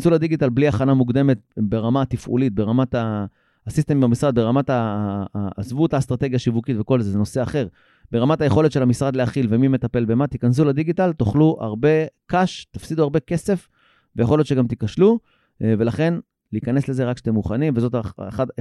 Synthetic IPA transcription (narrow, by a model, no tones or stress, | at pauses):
nsulad̪iɡit̪albliaχanamuɡd̪e̞me̞t̪̚beʁamat̪ifʔṵlit̪̚be̞ʁamat̪a | sist̪emimamisʁad̪̚be̞ʁamat̪a | zvut̪ast̪ʁat̪e̞ɡjaʃivukitveko̞lzezeno̞se̞aχe̞ʁ | beʁamat̪aje̞χo̞letʃe̞lamisʁad̪leaχilvemime̞t̪ape̞lbe̞mat̪ikans̬ulad̪iɡit̪alt̪oχluʔa̰ʁbe̞kaʃt̪afsid̪uaʁbe̞ke̞se̞f | vejaχljo̞tt͡ʃʃeɡamt̪ikaʃlu | ve̞laχe̞n | liːkane̞sle̞zeʁakʃe̥t̪emːuχanimvezo̞t̪aχad